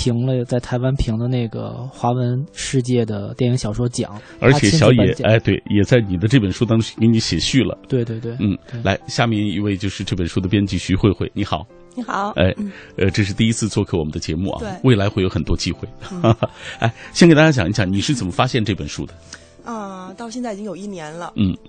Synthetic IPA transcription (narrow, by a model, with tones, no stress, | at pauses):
pʰi˧˥ŋlə˧t͡sa˥˩ɪt̪ʰa˧˥ɪwa˥npʰi˧˥ŋd̪ə˧ne˥˩ɪɡə̰˩xwa˧˥wə˧˥nʂɻ̩˥˧t͡ɕjɛ˥˩d̪ə˩t̪jɛ˥˩ni˧˥ŋɕjɑ˨˩ʊʂwɔ˥t͡ɕjɑ̰˨˦ | ə̰˞˧˥t͡ɕʰɛ˨˥ɕjɑ˧˥jɛ˧˥˧a˥˩ɪt̪we˥˩ɪjɛ˨˩t͡sa˥˩ɪni˨˩d̪ə˦ʈ͡ʂɤ˥˩pə˨˩nʂu˥t̪ɑ˥ŋʰy˥ŋkə˧˥nni˧˥ɕjɛ˨˩ɕy˥˩lə̰˩t̪we˥˧ɪt̪we˥˧t̪we˥˩˧n̩˥˩la˧˥ɪɕja˥˧mjɛ˥˧ni˥˧we˥˧ɪt͡ɕjo˥˧ʊʂɻ̩˥˧ʈ͡ʂɤ˥˩pə˨˩nʂu˥d̪ə˨pjɛ˥nt͡ɕi˥˩ɕy˥xwe˥˧ɪxwe˥˩ɪni˧˥xɑ˨˩˦ʊ | i˧˥xɑ˨˩˦ḛ˥˧ɪə˧ʈ͡ʂɤ˥˧ʂ̬ɻ̩˥˧t̪i˥˧i˥t͡sʰɹ̩˥˧t͡swɔ˥˧kʰe˥˩ɪwɔ˨˩mə˦nd̪ə˧t͡ɕjɛ˧˥mṵ˥˩ʔɐ̰˧we˥˩ɪla˧˥ɪxwe˥˩jo˧˥ʊxə˨˩nt̪wɔ˥t͡ɕi˥xwe˥˩ɪ | a̰˥ɪɕjkɪt̪a˥t͡ɕja˥t͡ɕjni˧˥t͡ɕjɑ˧˩˦ŋni˨˩ʂɻ̩˥˩t͡sə˨˩nmə˦fa˥ɕjɛ˥˧nʈ͡ʂɤ˥˩pə˨˩nʂṵ˥˧d̪ə˨ | ə˧t̪ɑ˥˧ʊɕjɛ˥˧nt͡sa˥˩ɪi˨˩t͡ɕi˥ŋjo˨˩i˥˩njɛ˧˥nlə˧n̩˥˩